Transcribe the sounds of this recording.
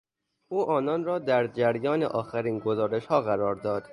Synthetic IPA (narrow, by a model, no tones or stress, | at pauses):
ʔuːʔɒːnɒːnrɒːd̪æɾd͡ʒæɾjɒːnḛʔɒːxæɾiːnɡo̞zɒːɾeʃhɒːɣæɾɒːɾd̪ɒːd̪̥